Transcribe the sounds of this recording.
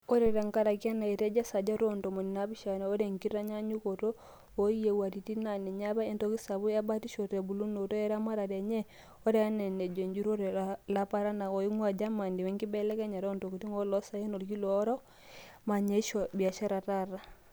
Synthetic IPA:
o˦ɾɛ˨ɾa˨ŋka˦ɾa˨ki˦a˦na˨i˨ɾɛ˦d͡ʒa˦sa˨d͡ʒa˦ɾo˦nto˨mo˨ni˨na˦bi˦ʃa˨na˨o˦ɾe˨ŋki˦ɾa˦ɲa˦ɲu˦ko˨to˦ | o˦je˨wa˨ɾi˨ti˦na˨nɛ˨ɲa˦βa˦e˦nto˦ki˦sa˨βu˦ja˦ba˦ti˦ʃo˨tɛ˨bu˨lu˦no˨to˦ɛ˦ɾa˦ma˦ɾa˨ɾɛ˨ɲɛ˦ | o˦ɾɛ˨ja˦nɛ˨nɛ˨d͡ʒe˨ɲd͡ʒu˦ɾo˦ɾɛ˨la˦pa˦ɾa˦na˨ɔ˨i˦ŋwa˨d͡ʒa˦ma˨ndi˨wɛ˦ŋki˦bɛ˦lɛ˦kɛ˦ɲa˨ɾo˦nto˨ku˨ti˦ŋɔ˦lɔ˦sa˦e˦no˨ɾɡi˦lɔ˨˦ɾɔ˦ | ma˨ɲa˦ʃɔ˨bi˨a˨ʃa˦ɾa˨ta˦ɾa˦

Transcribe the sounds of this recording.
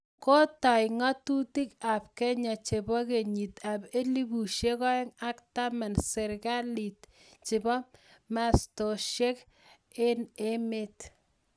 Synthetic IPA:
ko˦ta˨jŋɔ˦tu˦ti˦ka˨p̚kɛ˦ɲa˨t͡ʃe˨bɔ˦ke˨ɲi˨tabe˦li˦bu˨ʃje˦kɔ˦e˦ŋa˦kta˦ma˨nsɪ˨ɾɡa˦li˨t̚ | t͡ʃɪ˨bɔ˦ma˨sto˨ʃe˦k | e˦ne˦me˦t

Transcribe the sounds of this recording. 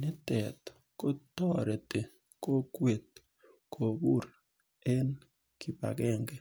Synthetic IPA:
nɪ˦tɛ˨t̪ | ko˦tɔ˦ɾe˨te˨ | ko˦kwe˨t̪̚ | kʰo˨bu˦ɾ | ɛ˦n | kɪ˨pa̰˨ɡɛ˦˨ŋɡe˦

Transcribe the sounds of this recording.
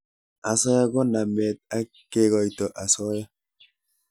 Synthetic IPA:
a˨sɔ˦ja˦ɡɔ˦na˨mɛ˨t̪̚a˦ | kːe˦ɡɔ˨jtɔ˨ʔa˨sɔ˦ja˦

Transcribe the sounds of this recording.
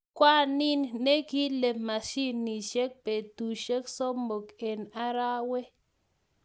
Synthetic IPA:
kwʷa˦ni˦nːe˦ki˦le˨ma˨ʃi˦nːi˨ʃe˦k̚pe˨t̪u˨ʃe˦kso˦mbo˨ke˨na˦ɾa˦we˦

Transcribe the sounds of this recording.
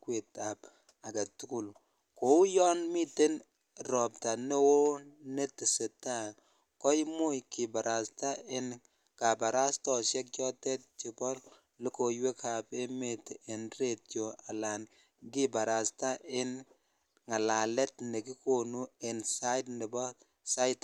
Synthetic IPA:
kwe˨ta˨b | a˨ɡa˨tu˦ku˦l | ko˨˦jɔ˦nmi˦te˦n | ɾɔ˨p̚ta˨ne˦wo˦ne˦tɪ˨se˨ta˦ | kɔ˦jmo˦jkɪ˨ba˨ɾʔa˨sta˦ɪ˦n | ka˨ba˨ɾa˦stɔ˨ʃjɛ˦k̚t͡ʃɔ˦tɛ˦t̚t͡ʃɪ˨˦bɔ˦l | lɪ˦ko˨jwe˦kʰa˨pe˦me˨tɪ˨nre˦˨tjo˨a˨la˨n | ɡɪ˦ba˨ɾa˨sta˦ɪ˦n | ŋa˨la˨lɛ˦tne˨kɪ˦ko˨nu˦ɪ˨nsa˦jdnɪ˨bɔ˦ | sa˦jt

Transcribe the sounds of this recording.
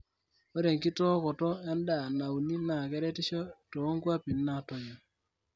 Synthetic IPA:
o˦ɾe˨ŋki˦tɔ˦kɔ˨tɔ˦a˦nda˨na˨wu˨ni˦na˨kɛ˦ɾɛ˦tɪ˦ʃɔ˦to˨˦ŋkwa˦pi˨nːa˦tɔ˨ɲa˨

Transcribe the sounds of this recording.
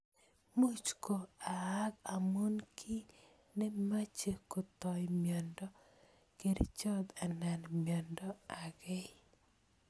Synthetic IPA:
mu˦t͡ʃko˨a˨a˦ɡa˨mo˦nkʰi˦ | nɛ˦ma˦t͡ʃe˨ko˨t̪ɔ˨jmjɔ˨ndɔ˦ | ke˨dḛ˦t͡ʃɔ˦d̪a˨nɛ˨nmjɔ˨ndɔ˦a˨ɡɛ˦

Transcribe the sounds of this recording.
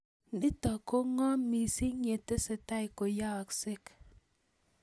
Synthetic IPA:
ndi˦tɔ˨ko˦ŋɔ˦mi˨si˦ɲe˨te˦se˨ta˦i˨ko˨ja˦a˨ksɪ˦k

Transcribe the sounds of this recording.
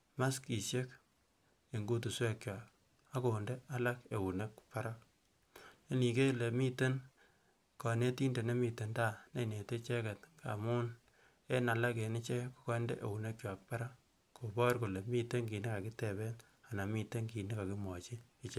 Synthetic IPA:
ma˦ski˨ʃje˦k | e˨ŋɡu˦tu˨swe˦kt͡ʃjwa˨k | a˦ko˨nde˦a˦la˦ke˨wu˨ne˦kpa˦ɾa˦k̚ | e˦ni˨ke˦le˨mi˦te˦n | kɔ˨ne˦ti˦nde˨ne˦mi˨te˨nta˦˨ne˨ne˨te˦t͡ʃe˦ke˨tŋka̰˨mʊ˦n | e˦na˨la˦ke˨ni˦t͡ʃe˦ku̥˨kɔ˦nde˦ʔe˨wu˨ne˦kt͡ʃwa˨k̚pa˦ɾa˦k | kʰo˨bɔ˦rko˨le˨mi˦te˦ŋki˨ni˦ka˨kɪ˦te˨bɛ˦n | a˨na˨mi˦te˦ŋki˨ni˦ka˨ki˦mɔ˨t͡ʃi˦ | i˨t͡ʃe˦

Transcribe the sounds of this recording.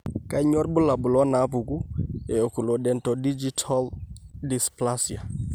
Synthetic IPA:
ka˦ɲɔ˦ɾbʊ˦la˨bʊ˨lɔ˦na˨˦pu˨ɡu˦ɛ˨o˨ku˨lo˨dɛ˨ntɔ˨di˦d͡ʒi˦tʰa˦ldi˨spla˦sja˨

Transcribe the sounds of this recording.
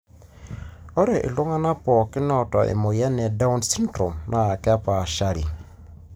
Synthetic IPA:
ɔ˦ɾɛ˨ʔḭ˨lo˦ŋa˦na˦pɔ˨kɪ˦nɔ˦tɔ˨ʔḛ˨mo˨jɛ˦nɛ˨da˦u˦nsi˦ndɾɔ˨mna˨a˨kɛ˦a˦pa˨ʃa˦ɾḭ˨

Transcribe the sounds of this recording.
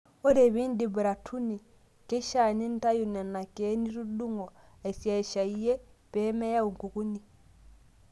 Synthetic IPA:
o˦ɾe˨βiː˦ndi˨bɾa˨tʰu˦ni˨ | ke˦ʃa˨ni˦n̩˦ta˦ju˨nɛ˨na˨ke˦ni˦ɾu˦ɗu˦ŋɔ˨ | a˨i˨sja˨i˨ʃa˨i˦jɛ˦pɛ˦mɛ˦ja˦u˨ŋ˨ku˨ku˦ni˦

